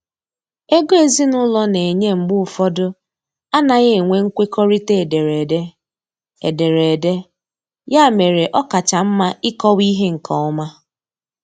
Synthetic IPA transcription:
e˦ɡo˦e˨zi˦nʊ˦lɔ˦ne˨ɲe˦ŋ͡m̩˨ɡ͡bʊ˦ʊ˨fɔ˦dʊ˦ | a˦na˨ɣe˦˨ŋʷe˦ŋ̩˦kʷe˦kɔ˦ɾi˦te˦˨de˨ɾe˨de˦ | e˨de˨ɾe˨de˦ | ja˦˨me˨ɾe˨ʔɔ˦ka˨t͡ʃa˨m̩˦ma˦ɪ˦kɔ˦wi˦ɦe˦ŋ̩˨kʰɔ˨ɔ˦ma˦

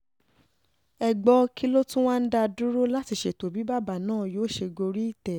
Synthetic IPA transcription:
ɛ˧ɡ͡bɔ˧ki˦lo˦tũ˦w̃ã˦n̩˦da˦˧du˦ɾo˦la˦ti˧˨ʃe˦˨to˨bi˨˦ba˦˨ba˨nãː˦˨joː˨˦˨ʃe˧ɡo˧ɾi˦i˦˨tɛ˨

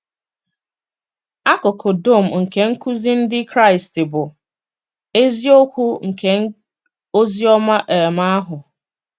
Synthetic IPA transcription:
a˦kʊ˨kʰo˨do˦˨m̩˨ŋ̩˨ke˨ŋ̩˦ku˦zi˦n̩˦dɪ˦kɾa˦ɪ˨stɪ˨bʊ˨ | e˦zi˦o˦kʷu˦ŋ̩˨kʰe˨˦ | o˦zi˦ɔ˦ma˦ʔe˨ma˦ɦʊ˨

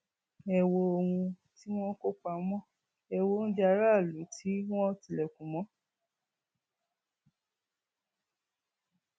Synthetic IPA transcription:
ɛ˨wo˧o˧wũ˧ | ti˦w̃ɔ̃˦ko˦k͡pa˧˦mɔ̃˦ | ɛ˧wo˧˦ñ̩˦d͡ʒa˧˦ɾa˦˨lu˨˦tʰi˦w̃ɔ̃˦ti˧˨lɛ˨kũ˨mɔ̃˨˦

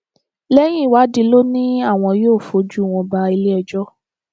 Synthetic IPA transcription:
lɛ˦j̃ĩ˦˨wa˨˦di˧lo˦nĩ˦a˦˨w̃ɔ̃˧joː˦˨fo˨˦d͡ʒu˦˨w̃ɔ̃˧ba˧i˧le˦ɛ˧d͡ʒɔ˦

